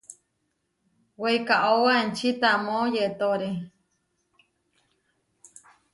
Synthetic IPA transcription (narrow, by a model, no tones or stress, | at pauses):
weikaʔowaent͡ʃit̪amõjet̪oɾe